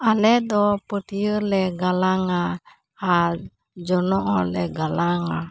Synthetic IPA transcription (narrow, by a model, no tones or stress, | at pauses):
alɛd̪ɔpət̪ijəɾlɛɡalaŋa | a | d͡ʒɔnɔʔɔlɛɡalaŋa